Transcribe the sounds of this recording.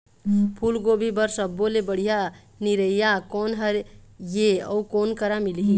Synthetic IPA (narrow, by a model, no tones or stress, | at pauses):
pʰulɡobʱibəɾsəbːolebəɽ̤ija | niɾəjjakonɦəɾjeə̰ukonkəɾamilɦi